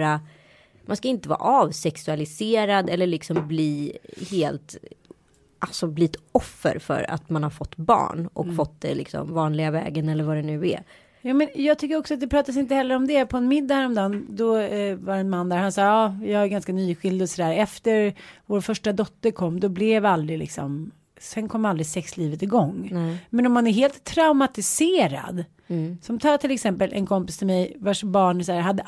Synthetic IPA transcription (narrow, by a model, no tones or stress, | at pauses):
ɾa | mʔanskaɪnt̪əvɑ̰ːʔɑvsɛksɵalɪseːɾad̪ɛlːəɭɪksɔmbliːheːlt̪ | ʔalsɔbliːt̪ɔfːə̰ɾfœ̰ɾa̰t̪manhaɾfɔt̪ːbɑ̰ːɳʔɔ̰kfɔt̪ːd̪ɛ̰lɪ̰ksɔ̰mvɑːnlɪɡavɛ̰ːɡənɛlːəɾvaɾɛnʉ̟ːɛ̰ | jɑːmɛnjɑːɡ̚t̪ʰʏkːəɾɔksɔat̪̚d̪ɛpʰɾɑːt̪as̬ɪnt̪əhɛlːəɾɔmd̪ɛpʰɔɛnmɪd̪ːahæɾɔmd̪ɑːnd̪ɔvaɾɛnmanːd̪æɾhansɑːɑːjɑːæɾɡanskanyːɧɪld̪ɔsɔd̪æːɾɛft̪əɾvoːɾfœʂʈad̪ɔt̪ːəɾkʰɔmːd̪ɔblɛvald̪ɾɪlɪ̰ksɔ̰m | sɛnkʰɔmːald̪ɾɪsɛksliːvət̪ɪɡɔŋːmɛnɔmːanæɾɦeːlt̪ʰːɾaʊmat̪ɪseːɾa̰d̪ | sɔmt̪ʰɑːt̪ʰɪlɛksɛmpəlʔɛ̰nkʰɔmpɪst̪ʰɪlmɛjvaʂbɑːɳsæːɾɦad̪ːə